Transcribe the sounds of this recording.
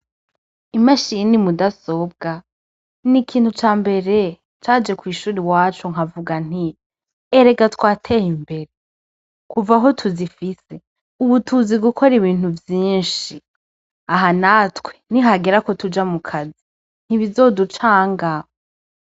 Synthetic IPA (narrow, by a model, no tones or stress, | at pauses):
imaʃinimudaso̞b̚ɡa | nikʰiːnthut͡ʃaːmbe̞ɾe̞ | t͡ʃaːd͡ʒe̞kwiːʃuːɾiwaːt͡ʃoŋ̥avuɡan̥i | eɾe̞ɡatkwaːtʰe̞himbe̞ɾe̞ | kuvaɦo̞tʰuzifise̞ | uβutʰuziɡukʰo̞ɾiβiːn̥huvjiːnʃi | aɦanatweniɦaɡiɾako̞tud͡ʒamukʰazi | n̥hiβizo̞dut͡ʃaːŋɡa